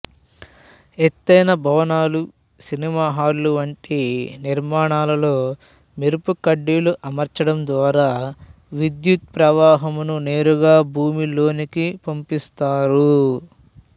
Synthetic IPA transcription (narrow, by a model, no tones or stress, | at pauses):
et̪ːɐjnɐbʱɐʋɐnaːlu | sinimaːɦaːɾluʋɐɳʈiniɾmaːɳaːlɐlo̞ː | miɾupukɐɖːiluʔɐmɐɾt͡ʃɐɽɐmd̪ʋaːɾaː | ʋid̪jut̪̚pɾɐʋaːɦɐmunune̞ːɾuɡaːbʱuːmilo̞ːnikipɐmpist̪aːɾu